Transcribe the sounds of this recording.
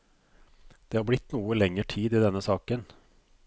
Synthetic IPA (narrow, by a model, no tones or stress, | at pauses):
d̪̥eːhɑːɾblɪt̪ːnuːəlɛŋːəʈʰiːd̪ɪd̪ɛnːəsɑːkən